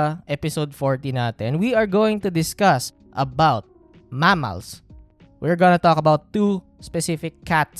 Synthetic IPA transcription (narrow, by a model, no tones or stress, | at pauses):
ʔɛpɪsowd̪̚fɔɹt̪ĩnat̪ɛnwiɐɹɡoːwɪ̃ŋt̪ʊd̪ɪskʌs | ʔɐbawt̪̚ | mamɐ̰ls | wʔiɹɡɔnɐt̪ɔkɐbawt̪ːu | spɛsɪfɪkʰːat̪̚